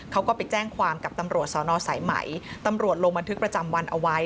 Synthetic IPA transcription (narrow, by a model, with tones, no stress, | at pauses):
kʰa˦˥wkɔ˥˩pa˨˩t͡ɕɛː˥˩ŋkʰwaː˧mka˨˩p̚t̪a˧mɾu˨˩ət̪̚sɔː˩˦nɔː˧sa˩˦jma̰˩˦jt̪a˧mɾu˨˩ət̪̚lo˧ŋba˧nt̪ʰɯ˦˥k̚pɾa˧t͡ɕa˧mwa˧nʔa˧wa˦˥j